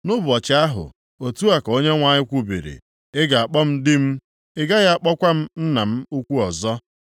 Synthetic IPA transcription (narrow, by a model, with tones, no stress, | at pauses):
nʊ˦bʊ˨ɔ˨t͡ʃɪ˨a˦ɦʊ̰˨ | o˨tu˦a˨ka˨o˦ɲe˦ŋʷa˨ɲɪ˦kʷu˦bḭ˨ɾḭ˨ | ɪ˦ɡa˨a˨k͡pɔ˦m̩˦dɪ˦m̩˦ | ɪ˦ɡa˦ɣa˦a˨k͡pɔ˦kʷa˦m̩˦n̩˦na˨m̩˦u˦kʷu˦ɔ˨zɔ˦